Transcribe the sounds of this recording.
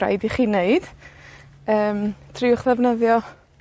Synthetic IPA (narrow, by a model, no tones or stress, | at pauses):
a̰jdiχiːneɨd̥ | əːmtʰriʊχðɛvnəðjɔ